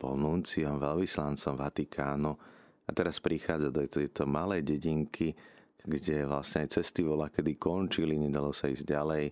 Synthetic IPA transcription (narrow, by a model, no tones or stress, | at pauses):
pɔ̰lnunt͡siɔmʋɛlʋislant͡sɔmʋat̪ikʰaːnu | at̪ɛɾaspɾixaːd͡zad̪ɔt̪ɛjt̪ɔmalɛjɟɛɟiŋkʰi | ɡɟɛʋla̰sɲɛajt͡sɛst̪iʋɔlakɛd̪ikɔnt͡ʃiliɲɛd̪alɔsaḭːzɟɟalɛj